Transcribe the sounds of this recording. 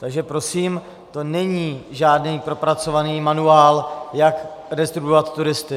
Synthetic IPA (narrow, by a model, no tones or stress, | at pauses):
t̪aɡʒɛpɾo̞siːm | t̪o̞nɛɲiːʒaːdniːpɾo̞pɾat͡so̞vaniːmanuaːljakɾɛst̪ɾubovat̪ːuɾɪst̪ɪ